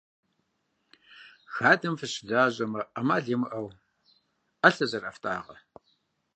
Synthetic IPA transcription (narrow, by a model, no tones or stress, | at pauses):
xaːdɐmfɨɕɪdaːʑɐmɐʔɐmaːɮimɨʔɐw | ɐɬɐzɐrɐ̰ftʰʼa̰ːʁɐ̰